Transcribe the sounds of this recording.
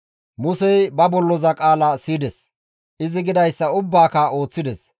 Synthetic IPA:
mʊsɛjbɐbɔlːɔzɐkʼaːlɐsiːd̪ɛs | ʔɪzɪɡɪd̪ɐjsːɐʊbːaːkɐo̞ːt͡sːɪd̪ɛs

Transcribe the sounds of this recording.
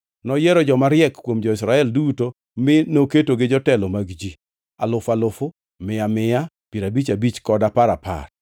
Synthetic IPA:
nɔjeɾɔd͡ʒɔmaɾjɛkkːwomd͡ʒɔɪsɾaɛlduto | mɪnoketoɡɪd͡ʒɔtɛlɔmaɡd͡ʒi | alʊfalʊfʊ | mɪamɪja | piɾabit͡ʃabit͡ʃkɔdapaɾapa̰r

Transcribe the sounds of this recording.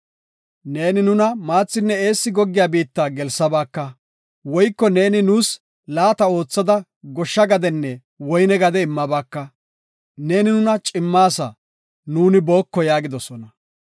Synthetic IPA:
ne̞ːnɪnʊnɐmaːt͡sːɪnːɛeːsːɪɡɔɡːɪjaːbiːt̪ːaːɡɛlsːɐbaːkːɐ | wɔjkːɔne̞ːnɪnuːs | laːt̪ɐo̞ːt͡sːɐd̪ɐ | ɡɔʃːɐɡɐd̪ɛnːɛ | wɔjnɛɡɐd̪ɛɪmːɐbaːkːɐ | ne̞ːnɪnʊnɐt͡ʃʼɪmːaːsɐ̰ | nuːnɪbo̞ːkːɔjaːɡɪd̪ɔsɔnɐ

